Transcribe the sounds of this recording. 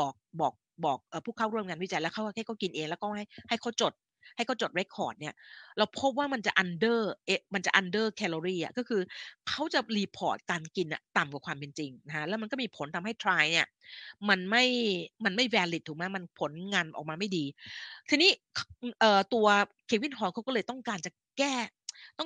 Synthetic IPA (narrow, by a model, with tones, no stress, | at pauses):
bɔː˨˩k̚bɔː˨˩k̚bɔː˨˩k̚ʔɤː˨˩pʰuː˥˩kʰa˥˩ɾu˥˩əŋaː˧nwt͡ɕa˧jlɛ˦˥kʰa˦˥˩wa˥˩kʰa˥˩kʰa˥˩ki˧nʔeː˧ŋlɛː˦˥wkɔː˥˩ha˥˩jha˥˩jkʰa˧˥˩wt͡ɕo˨˩t̪̚ | ha˥˩jkʰa˥˩t͡ɕo˨˩t̪̚ɾe˦˥kʰːɔː˨˩t̪̚ni˥˩ɐɾa˧wpʰo˦˥p̚waː˥˩ma˧nt͡ɕa̰˨˩ʔa˧ndɤː˥˩ʔe˧ma˧nt͡ɕa˨˩ʔa˧ndɤː˥˩kʰɛː˧lo˧ɾiː˥˩ʔa̰˨˩kɔ˥˩kʰɯː˧kʰa˦˥wt͡ɕa˨˩liː˧pʰɔː˨˩t̪̚kaː˧nki˧nʔa̰˨˩t̪a˨˩mkwa˨˩kʰwaː˧mpe˧nt͡ɕi˧ŋna˦˥kʰa˦˥lɛː˦˥ma˧nkɔː˥˩miː˧pʰo˨˩˦nt̪ʰa˧mha˥˩jt̪ʰɾaː˧jni˥˩ɐma˧nma˥˩jma˧nma˥˩jwɛː˧li˨˩t̪ʰːuː˨˩ma˦˥˩ma˧npʰo˨˩˦nŋa˧nʔɔ̰ː˨˩k̚maː˧ma˥˩jdiː˧t̪ʰiː˧niː˦˥kʰʔɤː˨˩t̪u˧ɐkʰeː˧˩wi˥˩nɦɔː˨˦ŋkʰa˦˥wkɔː˥˩lɤː˧jt̪ɔ˥˩ŋkaː˧nt͡ɕa˨˩ | kɛː˥˩ | t̪ɔ˥˩ŋ